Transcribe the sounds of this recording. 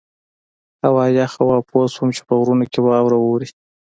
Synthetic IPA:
awɑjɑxawɑposwumt͡ʃe̥pəɣɾunokebaːwɾawoɾi

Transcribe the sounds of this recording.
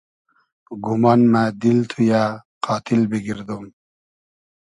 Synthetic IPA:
ɡumaːnmad̪ilt̪ʰujaqɑːt̪ʰilbiɡiɾd̪um

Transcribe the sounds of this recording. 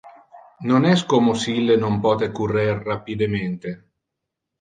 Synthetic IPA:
nonɛskomosilːenompɔːt̪ekurerːapid̪ement̪e

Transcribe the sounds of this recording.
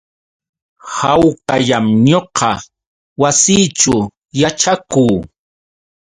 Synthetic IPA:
hawkaʎamɲoqɑ | wasiːt͡ʃʊ | jat͡ʃakuː

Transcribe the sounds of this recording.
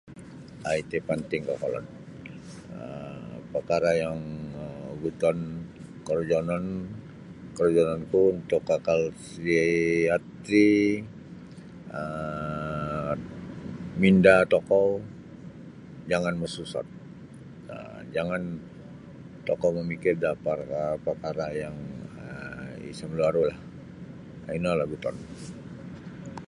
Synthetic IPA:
ait̪epant̪ɪŋkɔkɔlɔ̰n | əpərkaɾajaŋ | ɡut̪ɔnkərd͡ʒɔnɔn | kərd͡ʒɔnɔnkuunt̪ʊkːakalsiat̪ɾi | ə | mindat̪ɔkɔ | d͡ʒaŋanməsusa̰t̪̚ | ə̰ | d͡ʒaŋan | t̪ɔkɔməmikɪrdaparapərkaɾajaŋəḭsamluaɾolah | inalaɡut̪ɔ̰n

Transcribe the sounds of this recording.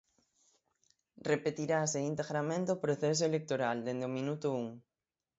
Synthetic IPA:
repet̪iɾaseint̪eɣɾamẽnt̪ɪopɾoθɛs̬oelek̚t̪oɾald̪end̪eomĩnut̪ʊuŋ

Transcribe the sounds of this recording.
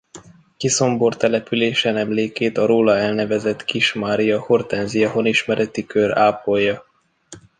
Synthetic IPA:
kiso̞mbo̞rt̪ɛlɛpyleːʃɛnɛmleːkeːt̪ɒɾoːlɒɛlnɛvɛzɛt̪kiʃmaːɾijɒhort̪ɛnzijɒɦo̞niʃmɛɾʔɛt̪ikøɾaːpojːɒ

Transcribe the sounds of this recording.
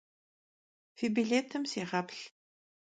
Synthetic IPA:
fibiɮeːtʰɨmseːʁɐpɬ

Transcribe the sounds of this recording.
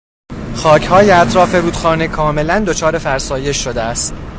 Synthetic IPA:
xɒːcʰhɒːjeæt̪ʰɾɒːfe̞ɾuːd̪xɒːnekʰɒːme̞lænd̪o̞t͡ʃʰɒːɾe̞fæɾsɒːje̞ʃːo̞d̪eæst̪

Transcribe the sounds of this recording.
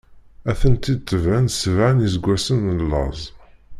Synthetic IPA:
æθənt̪id̪̚t̪ːəvænsəvʕanəzɡʷːæsənːəlːɑ̰zˤ

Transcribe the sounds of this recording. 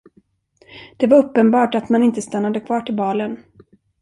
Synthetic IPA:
d̪̥ɛvaɾɵpːənbɑːʈat̪manɪnt̪əst̪anːad̪əkʰvɑːʈʰɪlbɑːlən

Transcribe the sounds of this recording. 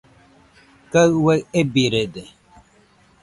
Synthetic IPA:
kaweebiɾede

